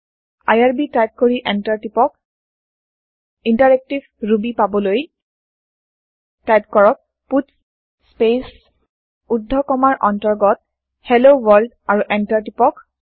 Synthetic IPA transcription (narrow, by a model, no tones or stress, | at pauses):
a̰jaɹbitajp̚koɹiʔɛntaɹtipɔk̚ | intaɹɛk̚tibʱɹubipabɔloj | tajp̚kɔɹɔk̚ | puts | spes | udʱːɔkɔmaɹʔɔntɔɹɡɔt̚ | hɛlowɔld | aɹuʔɛntaɹtipɔk